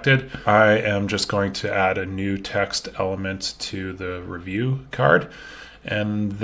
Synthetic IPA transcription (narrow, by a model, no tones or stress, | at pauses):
k̚tɨdʔaɪʔɨ̃md͡ʒʌsɡ̥oʊɪ̃ŋtʰɨæɾɨnʉtʰɛkstʰɛ̰lˠəmɨ̃ntʰɨðɨɹivjʉkʰɑ̰ɹd | ʔɨ̃nð